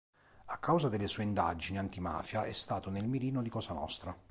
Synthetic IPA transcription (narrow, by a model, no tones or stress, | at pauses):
akːawzad̪elːesuːeind̪a̰d͡ʒiniant̪ima̰ːfjaʔɛst̪aːt̪onelmiɾiːnod̪ikɔːszanɔ̰st̪ɾa